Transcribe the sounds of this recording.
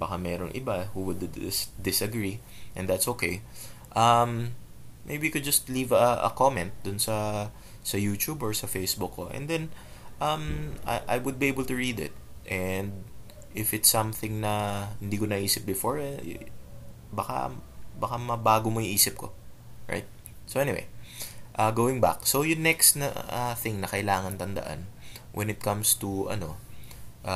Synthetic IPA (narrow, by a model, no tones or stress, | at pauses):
bɐkamɛːɾoŋʔɪ̰bahuwʊd̪sd̪ɪsɐɡɹi | ʔɛ̃nd̪at̪sokej | ʔɐmː | ḛjbikʊd̪̚d͡ʒɐst̪livɐɐ̰komɛnt̪̚d̪ʊnsɐ | sɐjuːt͡ʃubɔɹsɐfejsbʊkːoʔɛ̰̃nd̪ɛn | ʔɐma̰ʔa̰jwʊd̪̚biʔejbəlt̪ʊɹid̪ɪ̰t̪̚ʔɛnd̪̚ | ʔɪfɪt̪sɐ̃mθɪ̃ŋnɐhɪnd̪iːkonɐʔiːsɪp̚bɪfoɹ̰ | bɐka̰bɐkamɐbaːɡomoiʔiːsɪp̚kʰo̰ | ɹa̰jt̪̚ | sowʔɛnɪwḛjʔɐɡoːwɪ̃ŋba̰k̚sowjʊnɛkst̪nɐ̰ɐθɪŋnɐkɐʔɪlaːŋɐnt̪ɐnd̪ɐ̰ʔa̰nwʔɛ̰̃nɪt̪̚kɐ̃mst̪uɐ̰no̞ʔa